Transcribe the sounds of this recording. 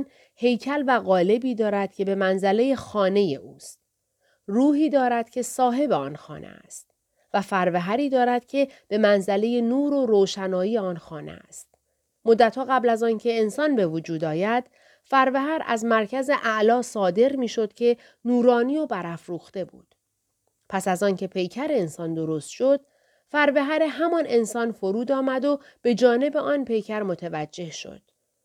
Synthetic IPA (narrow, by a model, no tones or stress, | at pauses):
n | he̞jcʰælvæɣɒːle̞biːd̪ɒːɾæd̪̥cʰe̞be̞mænzæle̞je̞xɒːne̞je̞̰ʔuːst̪̚ | ruːɦiːd̪ɒːɾæd̪̥cʰe̞sɒːɦe̞beɒ̰ːnxɒ̰ːnʔḛæ̰st̪̚ | væfæɾveɦæɾiːd̪ɒːɾæd̪̥̚cʲʰe̞b̥e̞mænzæle̞je̞nuːɾoɾoːʃænɒːjiːjeɒnxɒːnḛæ̰st̪̚ | mod̪ːæt̪hɒːɣæblæzɒːncʰe̞ːnsɒːnbevod͡ʒuːd̪ɒːjæd̪̥ | fæɾveɦæɾʔæ̰zmæɾcʰæze̞ʔæʔlɒːsɒːd̪e̞ɾmiːʃo̞d̪̥cʲʰe̞ | nuːɾɒːnijobæɾæfɾuːxt̪e̞bṵːd̪̥ | pʰæsæzɒːncʰe̞pʰe̞jcʰæɾeensɒːnd̪o̞ɾost̪ʃod̪̥ | fæɾveɦæɾeɦæmɒne̞nsɒːnfoɾuːd̪ɒːmæd̪o̞ | b̥e̞d͡ʒɒːne̞be̞ʔɒːnpe̞jcʰæɾmot̪ʰevæd͡ʒːe̞hʃo̰d̪̥